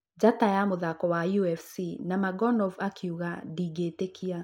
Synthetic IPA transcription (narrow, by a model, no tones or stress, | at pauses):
d͡ʑatajamoðakɔwajuɛfsinamaɡɔnɔvakʰiuɣadiɡetekʰia